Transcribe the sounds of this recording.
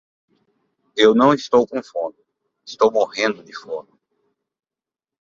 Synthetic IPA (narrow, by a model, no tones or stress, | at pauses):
ewnɐ̃w̃ist̪owkõfõnʊ | ist̪owmohẽnd̪ʊd̪ɪfõd̪ʊ